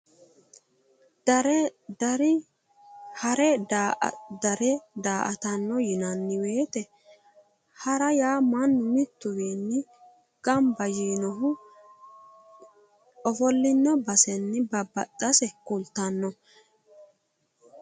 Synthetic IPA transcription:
dɐɾd̪ɐɾɪ | hɐɾɛ | d̪ɐɾɛd̪aːʔɐ̰t̪ɐnːɔjɪnɐnːɪwe̞ːt̪ɛ | hɐɾɐjaːmɐnːʊmɪt̪ːʊwiːnːɪ | ɡ̥ɐmbɐjiːnɔɦʊ | ʔɔfɔlːɪnːɔbɐsɛnːɪbɐbːɐt̪ʼːɐsɛkʊlt̪ɐnːɔ

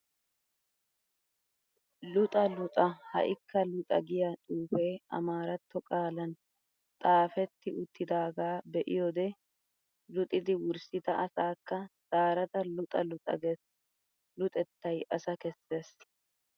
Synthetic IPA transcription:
lʊt̪ʼɐlʊt̪ʼɐhɐ̰ʔɪkːɐlʊt̪ʼɐ̰ɡɪjɐt̪ʼuːfeːɐ̰maːɾɐt̪ːɔkʼaːlɐn | t̪ʼaːfɛt̪ːɪʔʊt̪ʰːɪd̪aːɡaːbɛʔɪjɔd̪ɛ | lʊt̪ʼɪd̪ɪwʊɾsɪt̪ɐʔɐsaːkːɐz̥aːɾɐd̪ɐlʊt̪ʼɐ̰lʊt̪ʼɐ̰ɡɛ | lʊt̪ʼɛt̪ːɐjʔɐsɐkɛsːe̞ːs

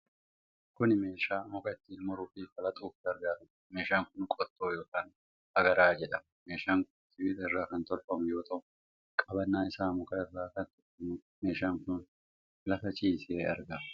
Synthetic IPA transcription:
kʊnɪme̞ːʃaːmɔkɐɪt̪ːiːlmɔɾʊfiːfɐlɐt̪ʼuːfd̪ɐɾɡaːɾɐ | me̞ːʃaːŋkʊnkʼɔt̪ːo̞ːjo̞ːkaːn | hɐɡɐɾaːd͡ʒɛᶑɐm | me̞ːʃaːŋkʊnt̪ɪbit̪ɐɪrːaːkɐnt̪ɔlfɐmʊjo̞ːt̪ʰɐʔʊ | kʼɐbɐnːaːɪsaːmɔkɐɪrːaːkɐnt̪ɔlfɐmʊ | me̞ːʃaːŋkʊn | lɐfɐt͡ʃʼiːseːɐ̰ɾɡɐ

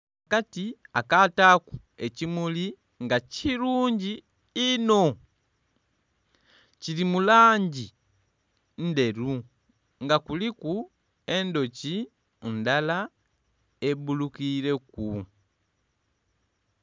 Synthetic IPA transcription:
akatiakataku | e̞cimuli | ŋɡaciɾuːɲɟiː | no̞ | cilimulaːɲɟi | n̩de̞ɾu | ŋɡakuliku | e̞ndo̞ci | undala | ebulukiɾe̞ku

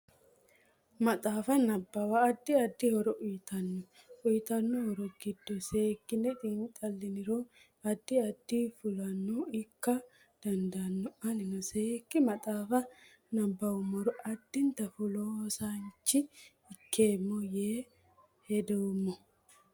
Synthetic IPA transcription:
mɐt̪ʼaːfɐnɐbːɐwɐːd̪ːɪɐd̪ːɪhɔɾɔʔʊjt̪ɐnːɔ | ʊjt̪ɐnːɔhɔɾɔɡɪd̪ːɔseːkːɪnːɛt̪ʼint̪ʼɐlːɪnɪɾoː | ɐd̪ːɪɐd̪ːifʊlɐnːɔɪkːɐ | d̪̥ɐnd̪ɐnːɔɐlɪnɔseːkːɪmɐt̪ʼaːfɐ | nɐbːɐwʊmɐɾɔɐd̪ːɪnt̪ɐfʊloːsaɲt͡ʃːɪ | ɪkʰːe̞ːmːɔjeː | hɛd̪ɛwʊmːɔ

